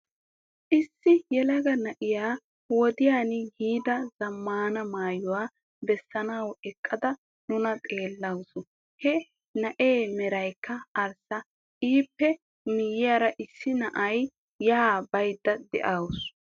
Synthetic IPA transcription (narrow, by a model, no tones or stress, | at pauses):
ʔɪsːɪjɛlɐɡɐnɐʔɪjaː | wɔd̪ɪjaːnɪhiːd̪ɐzɐmːaːnɐmaːjʊwaː | bɛsːɐnɐwɛkʼːɐd̪ɐ | nʊnɐt̪ʼe̞ːlːɐwsɔ | hɛ | nɐʔeːmɛɾɐjkːɐːɾsɐ | ʔiːpːɛ | mɪjɪjaːɾɐʔɪsːɪnɐʔɐjː | ɐabɐjd̪ːɐd̪ɛ̰ʔaws